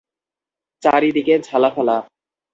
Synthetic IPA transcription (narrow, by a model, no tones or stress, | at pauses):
t͡ɕa̰ɾid̪iked͡ʑʱalafɛla